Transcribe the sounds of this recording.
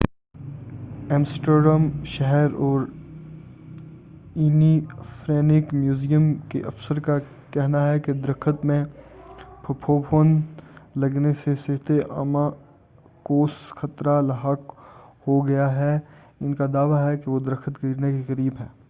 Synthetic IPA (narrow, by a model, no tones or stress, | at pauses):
ɛ̃ːmsʈəɾɖəmʃɛɦɛɾɔːɾ | inifɾɛːnɪkmjuːzijəmkḛʔɐfsəɾka | kɛɦnaɦɛked̪ɐɾəkʰət̪mẽ | pʰɐpʰoːpʰoːnlɐɡnesesɪɦt̪eʔa̰ːmã | koːsxɐt̪ɾalɐɦaːkhoɡɐjaɦɛ | ɪnkad̪aːʋaɦɛkeʋod̪ɾəkʰət̪̚ɡɐɾnekekɐɾiːbɦɛː